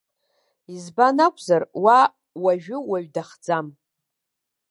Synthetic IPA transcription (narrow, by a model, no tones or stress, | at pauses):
izbanakʷʼʰzarwa | waʒᶣʊwaɥdaχd͡zam